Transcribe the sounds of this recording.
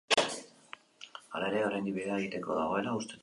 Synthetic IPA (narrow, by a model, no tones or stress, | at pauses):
alaeɾe̞oɾajnd̪iβiɾeaeɣit̪e̞ko̞ðaɣ̞o̞e̞laust̪e̞t̪